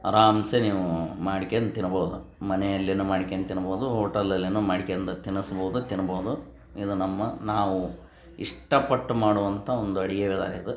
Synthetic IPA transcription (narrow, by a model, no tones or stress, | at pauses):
ɐ̰ɾaːmseniːʋumaːɽikend̪t̪inɐboːd̪umɐnejɐlːinumaːɽikent̪inɐboːd̪uɦoːʈɐlːɐlːinumaːɽikejɐnd̪ɐt̪inɐsɐbɐːd̪ut̪inɐboːud̪u | id̪unɐmːɐnaːʋu | iʂʈɐpɐʈːumaːɽuʋɐnt̪ʰɐond̪uɐɽiɡeʋɛd̪a̰ːlid̪u